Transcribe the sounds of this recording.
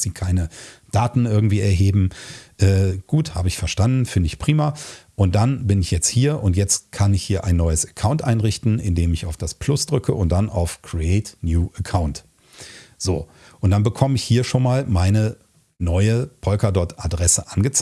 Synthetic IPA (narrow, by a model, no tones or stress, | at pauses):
z̥iːkʰaɪnəd̥aːtn̩ʔɪɐɡŋ̩tv̥iːɛɐɦeːbm̩ʔɛːɡ̥uːtha̰ːbəɪçfɛɐʃtandn̩fɪndəɪçpʁ̥iːmɐʔʊnt̚d̥anbɪnɪçjɛt͡sthiːɐʔʊntjɛt͡stkʰanɪçhiːɐʔaɪnːɔʏəsḁkʰaʊntʔaɪnʁɪçtn̩ɪndeːmɪçaʊfd̥aspʰl̥ʊsd̥ʁʏkʰəʔʊnt̚d̥anʔa̰ʊfkʁ̥iɛːtnjuːʔəkʰaʊnt | z̥o̰ː | ʔʊntd̥anbəkʰɔməɪçhiːɐʃoːnmaːlmaɪnə | nɔʏəpʰɔlkɐdɔɐtʰʔadʁɛsəʔanɡət͡s